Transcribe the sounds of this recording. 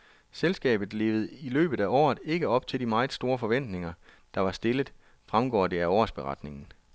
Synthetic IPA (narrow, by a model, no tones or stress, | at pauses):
selsɡ̥ɛ̰ːb̥ð̞̩ˠle̝ːʊð̞̩ˠilø̰ːb̥ð̩ˠæʔɒ̰ːð̞̩ˠe̝ɡ̥əɒ̽b̥̚t͡sʰe̝ld̥imɑ̈ɪð̩ˠsd̥o̝ːɐfɒ̽ʋen̰d̥ne̝ŋɐ | d̥ɑ̈ʋɑ̈sd̥e̝ləðˠ | fʁamɡ̥ɒ̰ːd̥e̝æɒ̰ːsb̥e̝ʁɑ̈d̥ne̝ŋn̩